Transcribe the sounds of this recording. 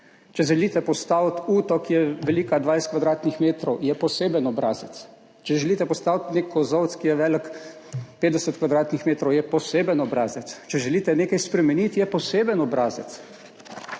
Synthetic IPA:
t͡ʃɛʒɛliːt̪ɛpɔst̪aːwt̪uːt̪ɔkijɛʋɛliːkad̪ʋajst̪kʋad̪ɾaːt̪nixmeːt̪ɾɔwjɛpɔseːbənɔbɾaːzɛt̪s | t͡ʃɛʒɛlit̪ɛpɔst̪aːwt̪neːkʰɔzɔwt̪skijɛʋɛːlək | peːd̪d̪ɛsət̪kʋad̪ɾaːt̪nixmeːt̪ɾɔwjɛpɔseːbənɔbɾaːzɛt̪st͡ʃɛʒɛliːt̪ɛneːkajspɾɛmɛnit̪jɛpɔseːbənɔbɾaːzɛ̰t̪s

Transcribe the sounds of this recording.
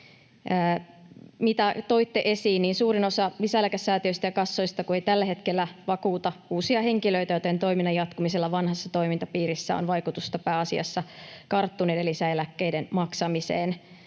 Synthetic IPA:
əː | mit̪æt̪o̞it̪ːeʔe̞siːnniːnsuːɾino̞sɑlisæelækæsːæːt̪iøist̪æjɑkɑsːojst̪ɑkue̞it̪ælːæɦe̞t̪kelːæʋɑkuːt̪ɑuːsiɑhe̞ŋkilø̞it̪æjo̞t̪ent̪o̞iminːɑjɑt̪kumiselːɑʋɑnhɑsːɑt̪o̞imint̪ɑpiːɾisːæ̰o̰nʋɑjkut̪ust̪ɑpæːɑsiɑ̰sːɑkɑrt̪ːunedelːisæelækːeijdenmɑksɑmisḛːn

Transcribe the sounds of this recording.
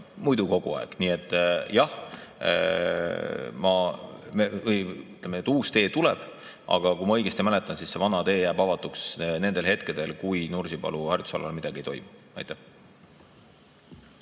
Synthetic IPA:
mujd̪uko̞ɡ̥ṵɑ̰ḛɡ̥niːe̞t̪ˑːjɑh | mɑmevɤjyt̪ːlemened̪̥uːst̪e̞ːt̪ulɛ̰b̥ | ʔɑ̰ɡ̥ɑkumɑɤjɡ̥est̪imælet̪ːˑɑnsisse̞vɑnɑt̪e̞ːjæːb̥ɑvɑt̪ːˑuksne̞nd̪e̞lɦet̪ke̞d̪̥e̞lkujnursipɑ̰luhæɾrt̪u̥svɑ̰lːɑ̰lmid̪̥ɑɡ̥iejt̪o̞̰jmu̥ | ɑ̰jt̪ːeh

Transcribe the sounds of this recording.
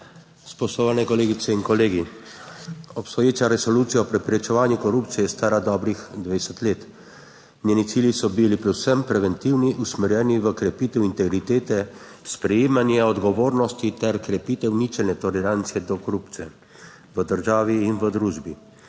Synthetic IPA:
spɔsoʋanɛkɔleːɡit̪sɛinkɔleːɡi | ɔpst̪ɔjeːt͡ʃaɾɛsɔlut̪sijaɔpɾɛpɾɛt͡ʃɛʋaːnjukɔɾupt̪sijɛjɛst̪aːɾad̪ɔːbɾixd̪ʋeɛsɛt̪leːt̪ | nʲjenit̪siːljisɔbilipɾɛwsəmpɾɛʋɛnt̪iwniʔusmɛɾjɛniʋəkɾɛpiːt̪ɛwint̪ɛɡɾit̪eːt̪ɛspɾɛjeːmanjɛɔd̪ɡɔʋoːɾnɔst̪it̪ɛɾkɾɛpit̪ɛwnit͡ʃɛlnɛt̪ɔlɛɾant̪sijɛd̪ɔkɔɾupt̪sijɛ̰ | ʋəd̪əɾʒaːʋiːnʋəd̪ɾuːʒbi

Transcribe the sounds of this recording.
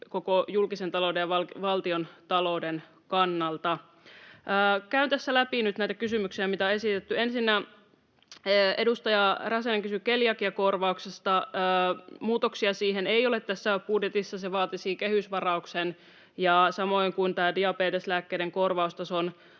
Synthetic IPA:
kokojulkise̞nt̪ɑloudejɑɑlʋɑlt̪iont̪ɑlouden | kɑnːɑlt̪ɑ | ʔːkæynt̪æsːælæpinyt̪næjt̪ækysymyksiæmit̪æoe̞sit̪et̪ːye̞nsinːæ | e̞dust̪ɑjɑrɑseneŋkysykeljɑkiɑko̞rʋɑuksest̪ɑː | muːt̪oksiɑsiːɦeneijo̞let̪t̪æsːæbudjet̪isːɑseʋɑːt̪isiːkehysʋɑrɑuksen | jɑsɑmo̞ijŋkunt̪æːdiɑpeːt̪eslæːkːeːdeŋko̞rʋɑust̪ɑson

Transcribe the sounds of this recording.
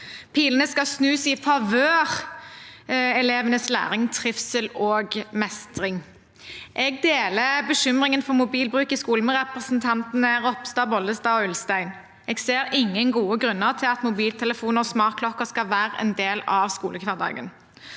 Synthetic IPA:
pʰiːlənəskɑsnʉːsɪfɑʋøːʁ | ɛleːʋənəslæ̰ːʁɪŋt̪ʰʁɪfsəloːɡmɛst̪ʁɪŋ | ʔɛɡ̚d̪eːləbəʃʏmʁɪŋənfɔmʊbiːlbʁʉːkɪskuːləmɛʁɛpʁəsnt̪ʰɑnt̪n̩əʁɔpst̪ɑːbɔld̪əst̪ɑːɔʉlst̪æɪn | ɛɡseːɾɪŋːənɡuːəɡʁʉnːəʁt̪ʰɪlɑt̪mʊbiːlt̪ʰɛləfuːnəʁɔsmɑːkʰlɔkəskɑlʋæːʁəɛ̰nd̪eːlɑʋskṵːləkʰʋæːʁd̪ɑ̰ːɡən

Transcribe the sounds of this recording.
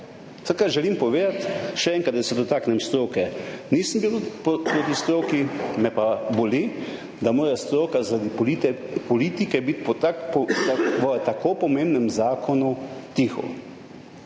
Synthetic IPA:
sət̪kaɾʒɛlimpɔʋeːd̪at̪ʃɛɛːŋkɾat̪̚d̪asɛd̪ɔt̪aːknɛmst̪ɾokɛniːsəmbiwpɾot̪ist̪ɾoːkimɛpaboli | d̪amoːɾast̪ɾoːkazaɾad̪i | pɔliːt̪ikɛbit̪at̪aʋət̪akopɔmembnɛmzaːkɔnut̪ixɔ̰

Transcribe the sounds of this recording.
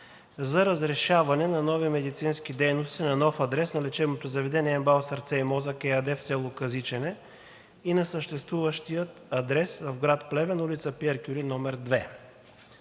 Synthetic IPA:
zɐɾɐzɾɛʃavɐnɛnɐnɔvimɛd̪it̪sinsk̟id̪ɛjnost̪inɐnɔfɐd̪ɾɛsnɐlɛt͡ʃɛbnot̪ozɐvɛd̪ɛniɛmbalˠsɐɾt̪sɛimɔzɐkɛɐd̪ɛfsɛlˠokɐzit͡ʃɛnɛ | inɐsəʃt̪ɛst̪vuvɐʃt̪ijət̪ɐd̪ɾɛsvɐvɡɾat̪plɛvɛnɐulit̪səpiɛɾkʲuɾinɔmɛɾd̪vɛ

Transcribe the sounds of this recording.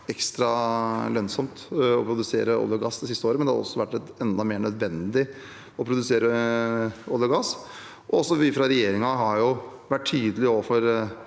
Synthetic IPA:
ɛkst̪ɾɑlœnsɔmt̪ɔpʰɾʊd̪ʉsḛːɾəɔ̰lːəɡɑsd̪ɛsɪst̪əoːɾəmɛnd̪ɛhɑɾɔ̰sːɔʋæʈːɛt̪ɛnd̪ɑmeːɳœd̪ʋɛnd̪ɪ | ɔpʰɾʊd̪ʉseːɾə | oləɾɡɑs | ʔɔɔsːɔʋɪfɾɑɾɛjeːɾɪŋɑɦɑɾjʊʋæʈtʰːyːd̪əlɪoːʋəfɔɾ

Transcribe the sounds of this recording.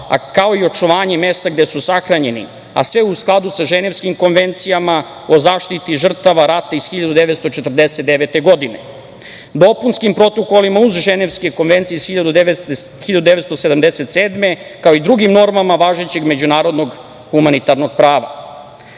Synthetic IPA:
a̰kao̞io̞t͡ʃuʋaːɲe̞mest̪aɡd̪esusaxɾaɲe̞nḭ | a̰sʋeusklˠad̪usaʒeneʋskimko̞nʋe̞nt̪sijama | o̞zaːʃt̪it̪iʐr̩t̪aʋaɾat̪aisxiʎad̪ud̪eʋet̪st̪o̞t͡ʃet̪r̩d̪eset̪̚d̪eʋet̪e̞ɡo̞d̪ine | d̪o̞punskimpɾo̞t̪o̞kolimauzʒeneʋskeko̞nʋent̪sijesxiʎad̪uxiʎad̪ud̪eet̪st̪osed̪amd̪eset̪seːd̪me̞kaoid̪ɾuɡimno̞ɾmamaʋaːʒet͡ɕe̞ɡme̞d͡ʑunaːɾod̪no̞ɡ | xumanit̪aɾno̞ɡ̥̚pɾaːʋa̰

